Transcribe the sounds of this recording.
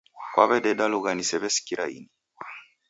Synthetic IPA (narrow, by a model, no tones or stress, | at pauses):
kwaβɛdɛdaluɣanisɛβɛsi̥kiɾa̰ḭni